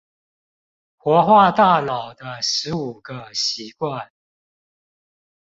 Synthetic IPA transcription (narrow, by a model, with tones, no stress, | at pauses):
xwɔ˧˥xwa˥˧t̪a˥˩lɑ˨˩ʊd̪ə˦ʂɻ̩˧˦u˨˩ɡə˦ɕi˧˥kwa˥˨n